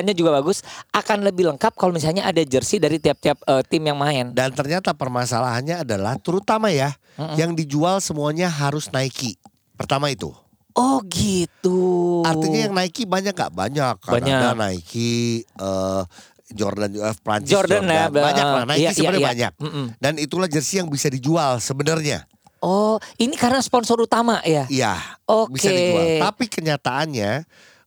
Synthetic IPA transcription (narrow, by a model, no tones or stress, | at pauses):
ɲad͡ʒuɡabaɡʊsʔakanləbɪhləŋkap̚kalomis̬alɲaʔadad͡ʒərsidaɾit̪iap̚t̪iap̚ət̪ɪmjaŋmaɪndant̪ərɲat̪apərmasalaɦanɲaːdalaht̪əɾut̪amaja | m̩jaŋdid͡ʒualsəmuaɲaɦaɾʊsnaiki | pərt̪amait̪ṵ | ʔɔhɡit̪uart̪iɲajaŋnaikibaɲak̚ŋɡa̰ʔba̰ɲakːa̰naanana̰ikʰiəː | d͡ʒɔ̰rdand͡ʒoɛfpɾa̰ɲt͡ʃɪɔranabaɲaklanaikisəbɲaabaɲa̰k̚danit̪ulahd͡ʒərsijaŋbisadid͡ʒualsəbənərɲa̰ | ɔinikarnaspɔnsɔɾut̪amaʔjaija̰obiksaedid͡ʒuat̪apikəɲat̪aʔːnɲa